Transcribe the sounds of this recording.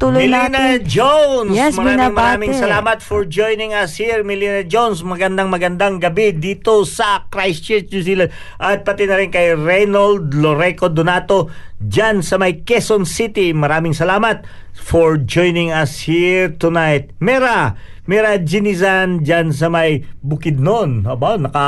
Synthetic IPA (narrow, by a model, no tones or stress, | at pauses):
t̪ulmɪlinɐd͡ʒownsmɐɾaːɪŋmɐɾaːmɪŋsɐlaːmɐt̪fɔɹd͡ʒojnɪŋɐshiɹmɪlinɐd͡ʒownsmɐɡɐnd̪aŋmɐɡɐnd̪aŋɡɐbid̪iːt̪o̞sɐkɾajst͡ʃɛnusilad̪ | ʔɐt̪̚pɐt̪ɪnɐɾɪnkɐjɹɛnald̪loɾɛkod̪onat̪o̞d͡ʒansɐmɐjkɛsonsit̪imɐɾaːmɪŋsɐlaːmɐt̪̚ | foɹd͡ʒojnɪŋɐshiɹt̪ʊnajt̪̚mɛɾa | mɛɾɐd͡ʒɪnɪsand͡ʒans̬ɐmɐjbʊkɪd̪̚nonɐbanːɐka